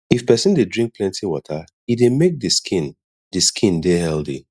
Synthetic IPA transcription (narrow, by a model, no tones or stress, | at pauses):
ifpɛsɪ̃ndedɹĩŋk̚pʰlɛ̃ntiwɔ̰tʰə | idemek̚dɨskʰĩn | dɨskʰĩndehɛldḭ